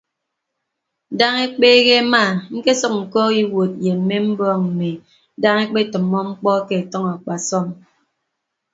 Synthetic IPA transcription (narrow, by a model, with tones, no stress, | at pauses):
da˦ŋe˦k͡peː˦ɣe˦ma˦˨ŋ̩˦ke˦sɔ˨k̚ŋ̩˨kɔ˦ɣi˦wo˨t̚je˨m̩˦me˦m̩˦bɔː˦ŋm̩˨me˨˦ | da˦ŋe˦k͡pe˦tɨ˨mːɔ˦ŋ͡m̩˦k͡pɔ˦ke˦˨e˨tɔ˦ŋa˨k͡pa˨sɔ˦m